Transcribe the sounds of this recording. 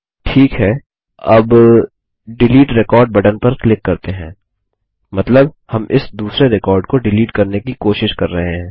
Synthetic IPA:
ʈʰiːkɦɛː | ɐb | ɖɪliːʈɾɪkɔːɾɖ̚bɐɖənpɐɾklɪkːɐɾt̪eɦɛ̃ː | mɐt̪ləbhɐmɪsd̪uːsɾeɾɪkɔːɾɖkoɖɪliːʈkɐɾnekikoːʃɪʃkɐɾːɐɦeɦɛ̃ː

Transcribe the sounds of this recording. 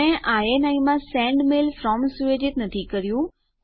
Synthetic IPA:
ẽʔaːenaːĩmãsɛ̃ːɳɖmeːlfɾɔːmsueːd͡ʑɪt̪nɐt̪ʰikɐɾijũ

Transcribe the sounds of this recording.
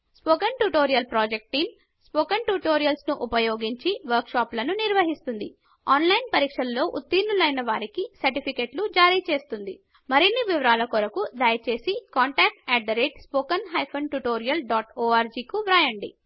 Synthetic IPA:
spoːkɐnʈuʈoːɾijɐlpɾaːd͡ʒek̚ʈʈːiːm | spoːkɐnʈuːʈoːɾijɐlsnuʔupɐjoːɡiɲt͡ʃiʋɐɾkʂaːplɐnuniɾʋɐɦist̪und̪i | aːnlɐjnpɐɾiːkʂɐlːo̞ːʔut̪ːiːnːulɐjnɐʋaːɾikisɐɾʈipʰikeːʈlud͡ʒaːɾiːt͡ʃe̞ːst̪und̪ḭ | mɐɾinːiʋiʋɐɾaːlɐkɔɾɐkud̪aːjɐt͡ʃe̞ːsikaːɳʈaːk̚ʈɛːɖɖɐɾeːʈspoːkɐnɦɐjpʰɐnʈuʈoːɾijɐlɖaːʈoːaːɾd͡ʒiːkuʋɾaːjɐɳɖḭ

